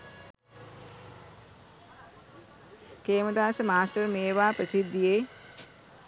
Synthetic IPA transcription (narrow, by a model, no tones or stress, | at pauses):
keːməd̪aːsəmaːsʈəɾmeːʋaːpɾəsid̪ːijeː